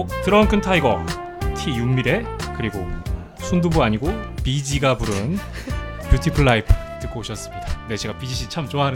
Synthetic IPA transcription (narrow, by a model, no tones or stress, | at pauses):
tɯɾʌnkʰɯntʰaiɡʌ | tʰijumiɾe̞kɯɾiɡo | sʰundubuaɲiɡopid͡ʑiɡapuɾɯn | mjutʰipʰuɭːaipʰtɯk͈ooɕʰʌs͈ɯ̥mɲid̥ane̞t͡ɕe̞ɡapid͡ʑiɕʰit͡ɕʰamt͡ɕoaɦn